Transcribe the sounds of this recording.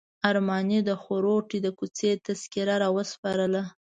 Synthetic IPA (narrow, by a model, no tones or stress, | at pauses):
aɾmɑnid̪əxoɾoʈid̪əkut͡set̪askiɾaɾɑwəspɑɾəla